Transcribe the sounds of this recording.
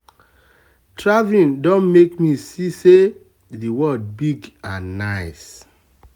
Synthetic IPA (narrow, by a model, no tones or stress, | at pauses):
tʰɹavĩndɔ̃nmekmisise | ðiwɔd̚biɡãnaɪs